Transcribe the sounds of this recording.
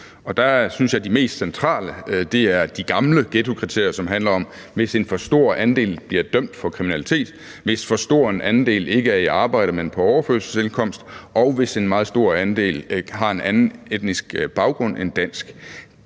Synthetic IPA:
ɒ̽d̥ɑsynsjɑ̈ɪd̥ime̝̰ːsd̥sent͡sʰʁɑ̰̈ːləd̥e̝æɐd̥iɡ̥ɑ̈mləɡ̥et͡sʰo̝kʰʁit͡sʰe̝ɐ̰jɐsɒ̽mɦænlɐɒ̽m | ʋe̝se̝nfɒ̽sd̥o̝ɐ̰ʔænd̥e̝̰ːlb̥liɐd̥œm̰d̥fɒ̽kʰʁiminælit͡sʰe̝̰ːd̥ | ʋe̝sfɒ̽sd̥o̝ɐ̰e̝nʔænn̩d̥e̝̰ːle̝ɡ̥əæɐiɑ̈ːb̥ɑ̈ɪ̰ɾ̥əmenpʰɒ̽ɒʊɐføɐlsəse̝nkʰɒ̽m̰sd̥ɒ̽ʊʋe̝se̝nmɑ̈ːð̞̩ˠsd̥o̝ɐ̰ænd̥e̝̰ːlɦɑ̈e̝nʔænn̩ed̥nisɡ̥b̥ɑ̈ʊɡ̥ʁɔ̽n̰end̥æn̰sɡ̥

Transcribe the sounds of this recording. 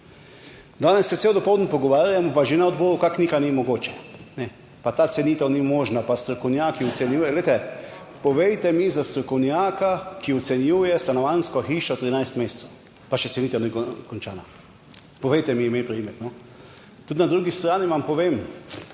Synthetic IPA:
d̪aːnɛsːɛselwd̪ɔpɔwd̪n̩pɔɡɔʋaːɾjamɔpaʒenaɔd̪̚bɔːɾukaknikanimɔɡoːt͡ʃɛ̥nɛ | pat̪aːt̪sɛniːt̪ɐwnimoːʒnapast̪ɾɔkɔwnjaːkiɔt̪sɛnjuːjɛlɛjt̪ɛ | pɔʋɛjt̪ɛmizast̪ɾɔkɔwnjaːkakiɔt̪sɛnjuːjɛst̪anɔʋanskɔxiːʃɔt̪ːɾinajst̪meːssɛw | paʃɛt̪sɛniːt̪ankkɔnt͡ʃa̰ːna | pɔʋɛjt̪ɛmiːmeːpɾimet̪nɔ | t̪ut̪nad̪ɾuːɡist̪ɾaːniʋampɔʋeːm

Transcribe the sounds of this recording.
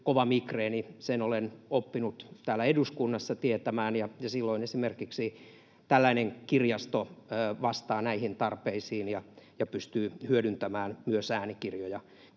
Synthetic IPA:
koʋɑmikreːnisenolenopːinut̪t̪æːlːæeduskunːɑsːɑt̪iet̪æmæːnjɑjɑsilːoinesimerkiksi | t̪ælːæineŋkirjɑst̪oːʋɑst̪ɑːnæihint̪ɑrpeisiːnjɑjɑpyst̪yːhyødynt̪æmæːnmyøsæːnikirjojɑ

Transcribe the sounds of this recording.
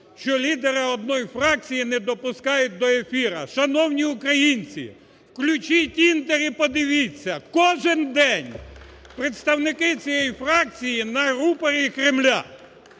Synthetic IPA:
ʃt͡ʃɔlʲid̪eɾɪɔd̪̚nɔjfɾɑk̚t͡sʲijinɛd̪ɔpʊskɑjʊt̚ʲd̪ɔefʲiɾɐ̰ʃɐnɔwnʲiʊkɾɐjinʲt͡sʲḭ | wklʲʊt͡ʃitʲint̪eɾʲipɔd̪ɪʋʲit͡sʲːɐkɔʒɪnd̪ɛnʲ | pɾet̪st̪ɐwnɪkɪt͡sʲijɛjfɾɑk̚t͡sʲijinɐɾupɐɾʲikɾɪmlʲa̰

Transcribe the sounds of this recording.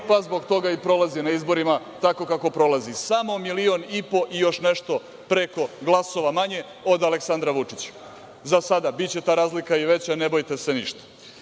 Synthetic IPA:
pazbo̞ɡt̪o̞ɡaipɾo̞lˠazinaizbo̞ɾima | t̪ako̞kako̞pɾo̞lazisamo̞milio̞nipo̞ʔijo̞ʃneʃt̪o̞ | pɾe̞ko̞ɡlˠaso̞ʋamaɲe̞ | o̞d̪aleksand̪ɾaʋut͡ʂit͡ɕḁ | zasad̪abit͡ɕe̞t̪aːɾaːzlikaiʋe̞t͡ɕanebo̞jt̪e̞se̞nḭʃt̪ḁ

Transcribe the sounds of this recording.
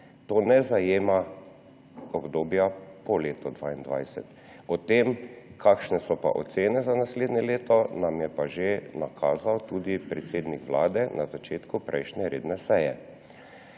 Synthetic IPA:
t̪oːnɛzajeːma | ɔbd̪oːbjapɔleːt̪ɔd̪ʋaːind̪ʋa̰jsɛ̰t̪ | ɔt̪eːmkʰakʃnɛsɔpa̰ʔɔ̰t̪seːnɛzanasleːd̪nʲɛleːt̪ɔnamjɛpaʒenakʰaːzawt̪uːd̪ipɾɛt̪seːd̪nikʋla̰ːd̪ɛnʔazat͡ʃeːt̪kupɾʔɛ̰jʃnʲɛɾḛːd̪nɛsɛjɛ

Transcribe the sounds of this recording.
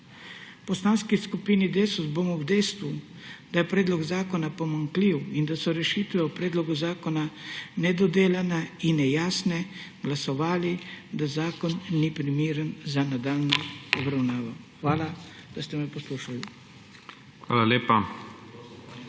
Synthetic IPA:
pɔst̪aːnskiskupiːnid̪eːsuzbomɔwd̪ɛjst̪ʋu | d̪̥ajɛpɾɛːd̪lɔɡzaːkɔnapɔmaŋkliwind̪asɔɾɛʃiːt̪ʋɛupɾɛːd̪lɔɡuzaːkɔnanɛd̪ɔd̪eːlanainɛjaːsnɛ | ɡlasɔʋaːlid̪azaːkɔnːipɾimiːɾənzanad̪aːlnɔɔbɾawnaːʋɔxʋaːlad̪̥ast̪ɛmɛpɔsluːʃali | xʋa̰ːlaleːpa

